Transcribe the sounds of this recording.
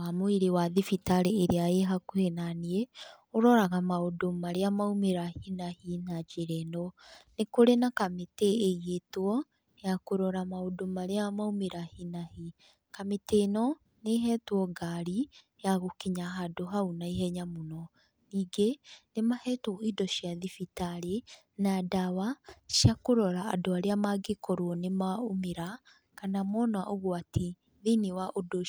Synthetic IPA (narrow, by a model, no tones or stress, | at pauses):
amoiɾewaðifitaɾeːɾeaeɦakohenanie | oɾɔɾaɣamaodomaɾeamaumeɾahinahinad͡ʒeɾɛnɔnekoɾenakameteːiɣetwɔ | jakoɾɔɾamaodomaɾeamaumeɾahinahi | kametenɔ | neɦɛtwɔɡaɾi | jaɣokiɲaɦadoɦaunaiɦɛɲamonɔ | niːɡenemahɛtɔidɔʃjaðifitaɾe | nadawaʃjakoɾɔɾaa̰doaɾeamaɡekɔɾwɔnemaomeɾa | kanamɔnwa̰ʔoɣwatʰi | ðiniwaʔodo